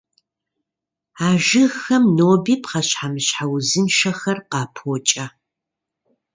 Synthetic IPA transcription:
aːʒɨxɐmnoːbiːpqɐɕħamɨɕħawzɨnʃɐxɐrqɑːpʰoːt͡ʃʼɐ

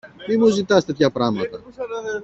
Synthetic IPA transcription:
mimuzit̪ɐst̪e̞t̪çɐpɾɐmɐt̪ɐ

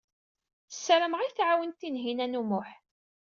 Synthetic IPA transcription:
sːəɾəməʁijθʕawənt̪ːinɦinænumʊħ

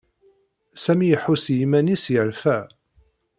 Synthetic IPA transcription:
sæmijħusjimænisjəɾfæ

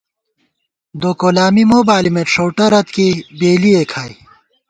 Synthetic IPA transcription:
d̪oːkolaːmimoːbaːlimeʂʰowʈɐɾɐt̪kibeːliekʰaːj

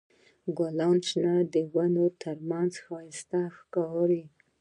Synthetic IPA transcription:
ɡalant͡ʃnad̪əwanot̪ʰaɾmanzxast̪axkawɾi

